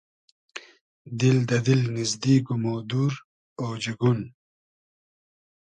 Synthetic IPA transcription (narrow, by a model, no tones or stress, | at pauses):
d̪ɪld̪ɐd̪ɪlnɪzd̪iːɡumod̪uɾ | oːd͡ʑiɡun